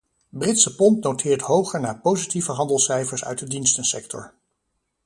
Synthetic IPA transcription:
brɪtsəpɔntnowtʰɪːɹtɦowχəɹnaːɹpowzitivəɦɑndəlˠsɛjfəɹsœ̰ɥt̚dədinstənsɛktɔ̰ɹ

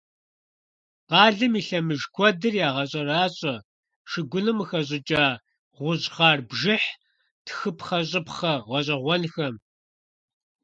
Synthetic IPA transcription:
qɑːɮɨmiːɬɐmɨʒkʷʰɔdɨrjaːʁɐɕʼɐraːɕʼɐ | ʂɨɡʷʊnɨmɨxɐɕ̬ʼɪt͡ʃʼaː | ʁʷʊʑʁɑːrbʒɪħ | tʰxɨpχɐɕ̬ʼɪpχɐʁʷɔɕʼɐʁʷɔnxɐm

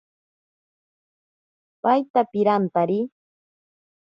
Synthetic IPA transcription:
pajt̪apɪɾant̪aɾɪ

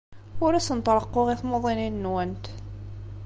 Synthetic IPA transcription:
ʊɾæsənt̪ˤɾˤəqːoʁiθmoðˤininnwənt̪

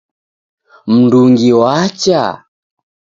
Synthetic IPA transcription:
m̩nduŋɡiwat͡ʃa̰

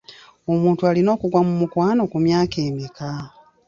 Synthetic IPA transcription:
o̞muːntualino̞ːkuɡwamumukwaːno̞kumjaːke̞ːmika

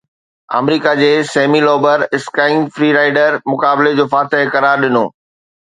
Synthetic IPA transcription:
a̰ːmɾiːkad͡ʑeːsɛːmilɔːbəɾɪskaːɪnfɾiːɾaːɪɖəɾmʊkaːbled͡ʑoːfaːt̪ɪɦkɐɾaːɾɗɪno̰ː

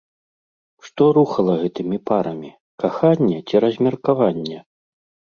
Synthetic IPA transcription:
ʂt̪ɔɾuxɐlˠɐɣɛt̪ɨmʲipaɾɐmʲi | kaxanʲːɛt͡sʲiɾɐzʲmʲɐrkavanʲːɛ

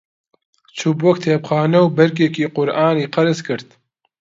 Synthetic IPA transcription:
t͡ʃʰubwɔk̚t̪ʰeːpxɑːnɐwbɐɾk̬eːkiːqʊɾʔaːniːqɐɾɨzkɨɾt̪

